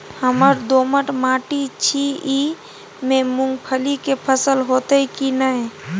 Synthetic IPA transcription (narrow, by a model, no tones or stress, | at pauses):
həməɾd̪oːməʈmaːʈit͡ʃʰii | memũŋɡpʰəlikepʰəsəlɦot̪əikinəj